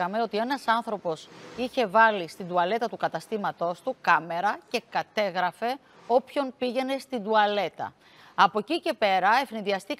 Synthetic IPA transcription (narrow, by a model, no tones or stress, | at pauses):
ɐme̞o̞t̪ie̞nɐsɐnθɾo̞po̞siçe̞vɐlist̪ind̪uɐle̞t̪ɐt̪ukɐt̪ɐst̪imɐt̪o̞st̪ukɐme̞ɾɐce̞kɐt̪e̞ɣɾɐfe̞ | o̞pço̞npiʝe̞ne̞st̪ind̪uɐle̞t̪ɐ̰ | ɐpo̞cice̞pe̞ɾɐe̞fniðiɐst̪ik